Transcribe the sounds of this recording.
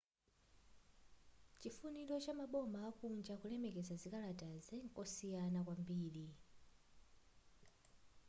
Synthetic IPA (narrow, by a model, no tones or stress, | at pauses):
t͡ʃifuniɾɔt͡ʃamaɓɔmaːkund͡ʒakulɛmɛkɛzazikalatazɛŋkɔsijanakwambiːli